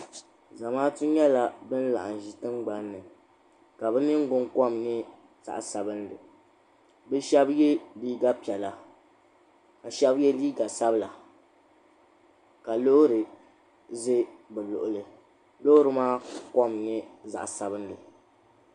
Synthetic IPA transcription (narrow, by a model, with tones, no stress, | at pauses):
za˨maː˦tu˦ɲɛ˦la˨bɨ˦n˦la̰˨ʔa˨n˨ʒi˨tɨ˦mɡ͡ba˨nːɨ˨ | ka˨bɛ˦nɨ˦ŋ˦ɡʊ˦ŋkɔ˦˨mnɨ˦ | z̥a̰˨ʔsa˨bɨ˦ndɨ˨ | bɛ˦ʃɛ˦bjɛ˦liː˦ɡa˦pi˨ɛ˨la˨ | ka˨ʃɛ˦bjɛ˦liː˦ɡa˨sa˦bɨ˦la˨ | ka˨lo˦hɾɨ˨ | ze˦bɛ˨lʊ̰˨ʔʊ˨lɨ˨ | lo˦ɾɨ˨maː˦kɔ˦mnɨ˦za̰˨ʔsa˨bɨ˦n˦dɨ˨